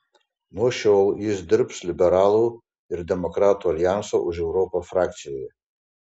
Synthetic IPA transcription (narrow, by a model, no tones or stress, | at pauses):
nuʃolizdɨrpʰslʲibeɾalu | irdemokʼratʰualjansaʔuʒewɾopʰafrak̚ʰt͡sʰijeje